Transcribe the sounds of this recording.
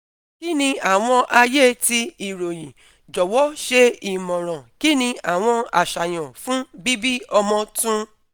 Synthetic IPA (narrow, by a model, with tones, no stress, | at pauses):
ki˦nĩ˧a˦˨w̃ɔ̃˧ʔa˧je˦ti˧i˨ɾo˨jĩ˨ | d͡ʒɔ˨wɔ˦ʃe˧i˨mɔ̃˨ɾ̃ɔ̃˨ki˦nĩ˧a˨w̃ɔ̃˧a˨ʃa˨j̃ɔ̃˨fũ˦bi˦bi˦ɔ˧mɔ̃˧tũ˦